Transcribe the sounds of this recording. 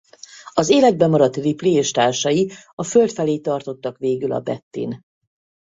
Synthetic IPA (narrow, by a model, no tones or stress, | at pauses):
ɒzeːlɛd̪̚bɛmɒɾɒt̪riplieːʃt̪aːrʃɒjiɒfølt̪fɛleːt̪ɒrt̪o̞t̪ːɒkʋeːɡylɒ̰bɛ̰t̪ːḭn